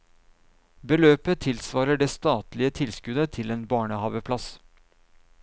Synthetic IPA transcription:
bəløːpət̪ʰɪlsʋɑːɾəɖeːst̪ɑːt̪lɪət̪ʰɪlskʉd̪ət̪ʰɪleːnbɑːɳəhɑːʋəpʰlɑs

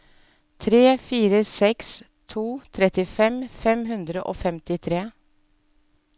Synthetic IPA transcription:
t̪ʰɾeːfiːɾəsɛks | t̪ʰuːt̪ʰɾɛt̪ɪfɛmfɛmɦʉnd̪ɾəʔo̰ːfɛmt̪ɪt̪ʰɾeː

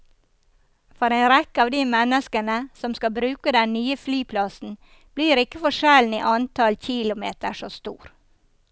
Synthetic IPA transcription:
fɔɾeɪnɾɛkːəɑːʋd̪imɛnəskənəsɔmskɑbɾʉːkəd̪ɛnnyːəflyːpʰlɑsn̩ | b̥liːɾɪkːəfɔʂɛln̩ḭːʔɑnt̪ʰɑlçilʊmeːt̪əʂost̪uːɾ

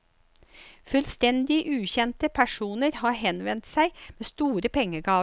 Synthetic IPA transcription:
fʉlst̪ɛnd̪ɪʔʉːçɛnt̪əpʰæʂuːnəɾhɑːɾhɛnʋɛnt̪sæɪmeːst̪uːɾəpʰɛŋːəɡɑː

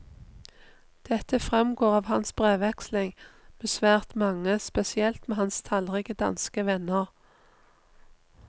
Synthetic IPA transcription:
d̪̥ɛt̪əfʁɛmɡoːʁɑːʋhɑnsbʁeːʋɛkslɪŋm̥eːsʋæːʁt̪mɑŋəspɛsɪɛlt̪meːhɑnst̪ʰɑlʁɛːɡəd̪ɑ̰nskəʋɛnəʁ

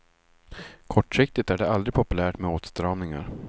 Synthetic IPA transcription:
kʰɔʈːʂɪk̚t̪ɪt̪æɖɛald̪ɾɪpʰɔpɵlæːʈmɛoːt̪st̪ɾɑːvnɪŋa̰ɾ

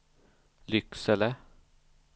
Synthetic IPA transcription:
lʏksɛlə

